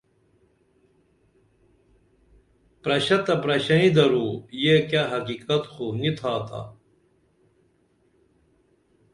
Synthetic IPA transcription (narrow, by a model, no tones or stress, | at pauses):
pɾɐɕɐt̪ɐpɾɐɕɐnid̪ɐɾuːjekaɦɐkiːkɐt̪xunit̪ʰaːt̪a̰